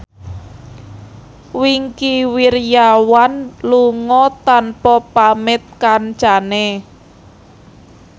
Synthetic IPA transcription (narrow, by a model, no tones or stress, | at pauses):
wiŋkiwirjawanluŋɔt̪anpɔpamɪt̪̚kant͡ʃane